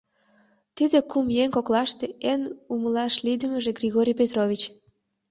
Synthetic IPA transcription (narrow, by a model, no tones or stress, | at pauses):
t̪id̪ekumjeŋkoklɑʃt̪eenuməlɑʃlid̪əməʒeɡrʲiɣoɾʲijpet̪roβʲit͡ɕ